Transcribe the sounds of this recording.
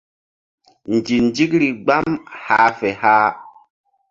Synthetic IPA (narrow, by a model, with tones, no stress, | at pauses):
n˨d͡ʒi˨nd͡ʒi˦kɾi˨ɡ͡ba˦mha˨˦fɛ˨ha˦